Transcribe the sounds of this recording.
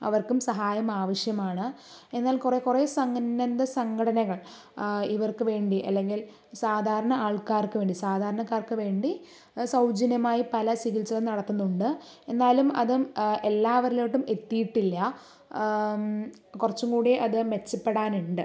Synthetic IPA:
ɐ̰ʋɐrkumsɐɦaːjɐmaːʋɐʂjɐmaːɳɨ | e̞nːaːlkure̞ːkureːsɐŋːɐnd̪ɐsɐŋɡɐɽɐnɐɣɐɭ | iʋɐrkɨʋe̞ːɳɖiʔɐ̰lːe̞ŋɡil | saːd̪ʱaːɾɐɳɐaːɭkaːrkɨʋe̞ːɳɖisaːd̪ʱaːɾɐɳɐkːaːrkɨʋe̞ːɳɖi | sɐwd͡ʑɐnjɐmaːjipɐlɐsiɣilt͡ɕːɐɣɐnɐɽɐt̪ːunːuɳɖɨ | e̞nːaːlumɐðɨe̞lːaːʋɐɾiloːʈːume̞t̪ːijiʈːilːɐ | kurɐt͡ɕːumkuːɽijeʔɐðɨme̞t͡ɕːɐpːeɽaːnuɳɖɨ

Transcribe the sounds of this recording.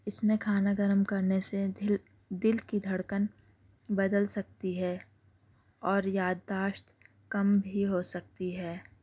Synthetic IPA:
ɪsmẽkʰaːnaɡəɾəmkɐɾnese | d̪ɪlkid̪ʱɐɽkən | bɐd̪əlsɐk̚t̪iɦɛː | ɔːɾjaːd̪ːaːʃt̪ | kɐmbʱiɦosɐk̚t̪iɦɛː

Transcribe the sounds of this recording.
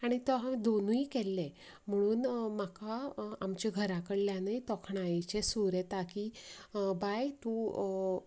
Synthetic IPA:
aɽ̃it̪ɔɦãd̪onuikɛlːẽ | m̤əɽ̃uːnmakaamt͡ɕiɡʱəɾakəɽljanajt̪ɔkʰɳait͡ɕesuɾet̪akiːbajt̪u

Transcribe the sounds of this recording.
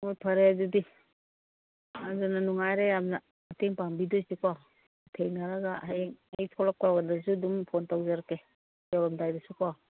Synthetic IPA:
mɔpʰaɾeazudi | azananuŋajɾeamna | ateŋpambidɔjsikɔ | tʰejnaɾaɡaŋajtʰɔlak̚aɡandazudumpʰɔntawzaɾake | jalamdajdasukɔ

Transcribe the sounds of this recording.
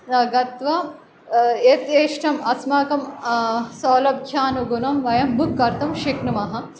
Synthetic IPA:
nɐɡɐt̪ʋɐ | et̪jeːʃʈɐmɐsmaːkɐm | soːlɐbʱjaːnuɡunɐmʋɐjɐmbʱukːɐɾt̪ɐmʃiknɐmɐɦɐ̆

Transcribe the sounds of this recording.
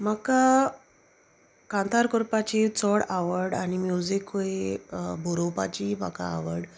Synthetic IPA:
maka | kãnt̪ʰaɾkɔɾpat͡ɕit͡sɔɽaʋəɾɽanimjud͡zikoebʱuɾopa̰t͡ɕima̰ka̰a̰ʋəɾɽ

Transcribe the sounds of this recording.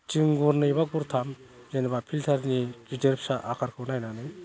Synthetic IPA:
t͡ʃiŋɡuɾnɯjbaɡuɾt̪ʰam | zenbapʰilt̪ʰaɾnikideɾpʰsaʔakʰaɾkʰɯwnajnanɯj

